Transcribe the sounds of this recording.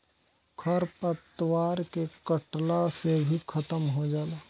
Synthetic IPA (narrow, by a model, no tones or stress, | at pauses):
kʰɐɾpət̪ːwaːɾkekəʈlasebʱikʰɐt̪əmɦod͡ʒaːlaː